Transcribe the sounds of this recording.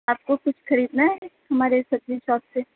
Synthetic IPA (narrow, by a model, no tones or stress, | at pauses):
aːp̚kokʊt͡ʃʰxɐɾiːd̪naɦɛhɐmaːɾesɐbd͡ʒiʃɔːpse